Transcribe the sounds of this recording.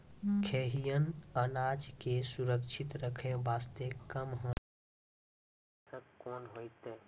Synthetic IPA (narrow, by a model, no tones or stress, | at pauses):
kʰeːɦijənənaːd͡ʒkesuɾəkʃʰɪt̪ɾəkʰẽbaːst̪ekəmɦõ | səkkɔːnɦoit̪eː